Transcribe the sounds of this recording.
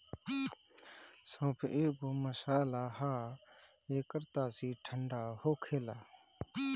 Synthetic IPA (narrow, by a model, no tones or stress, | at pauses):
sõːpʰeːboməsaːlaːhaː | eːkəɾt̪aːsiːʈʰəɳɖaːhoːkʰeːlaː